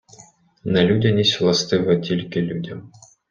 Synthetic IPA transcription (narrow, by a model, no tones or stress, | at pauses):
nɐlʲudʲɐnʲisʲlˠɐst̪ɨvɐt̪ʲilʲkʲilʲudʲɐm